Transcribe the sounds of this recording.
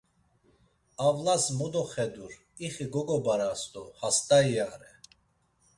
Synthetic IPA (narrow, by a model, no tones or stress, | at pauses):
avlasmɔd̪ɔχɛd̪uɾ | iχiɡɔɡɔbaɾast̪ɔhast̪ʼaiaɾɛ